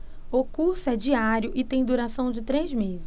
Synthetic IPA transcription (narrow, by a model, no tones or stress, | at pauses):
ʊkuɾsʊɛd͡ʒiaɾjʊʔɪt̪ẽj̃d̪uɾasɐ̃w̃d͡ʒɪt̪ɾezmezɪs